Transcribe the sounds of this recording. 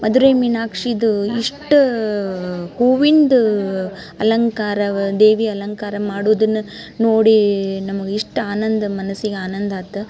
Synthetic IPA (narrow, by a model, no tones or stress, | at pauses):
mɐd̪uɾeːminaːkʂiːd̪uiʂʈu | huːʋind̪ | ɐlɐŋkaːɾɐd̪eːʋiɐlɐŋkaːɾɐmaːɽuʋd̪ɐnːu | noːɽinɐmɐɡiʂʈaːnɐnd̪ɐmɐnɐsiɡeaːnɐnd̪aːt̪ːɐ